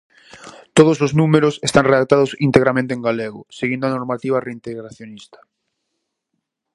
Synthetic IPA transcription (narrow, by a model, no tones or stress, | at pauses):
t̪oðosoznumeɾʊsest̪aŋreðak̚t̪aðosint̪eɣɾamẽnt̪ẽŋɡaleɣʊseɣind̪oanoɾmat̪iβareint̪eɣɾaθjonist̪ḁ